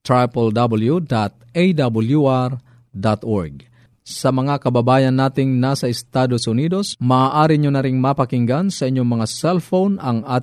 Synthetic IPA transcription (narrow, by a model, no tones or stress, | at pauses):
t̪ɾapald̪abuljud̪at̪̚ejd̪abuljuʔaɾ | d̪at̪oɹɡ̚ | sɐmɐŋakɐbabaːjɐnːaːt̪ɪŋnasɐɪst̪ad̪osʊniːd̪osmaːʔaːɾiɲonɐɾɪŋmɐpɐkɪŋɡansɐʔiɲːoŋmɐŋasɛlfownɐŋa